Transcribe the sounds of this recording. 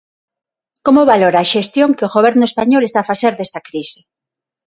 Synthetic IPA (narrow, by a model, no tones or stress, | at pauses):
komoβaloɾaːʃest̪joŋkeoɣoβ̞ɛɾnʊespaɲolest̪aːfaθeɾðest̪akɾisɪ̥